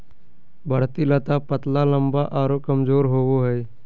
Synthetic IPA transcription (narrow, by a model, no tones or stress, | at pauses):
bʱəɽ̤t̪ilət̪apət̪lalə̃mbaʔaːɾokəmzoːɾɦoːwoɦɛj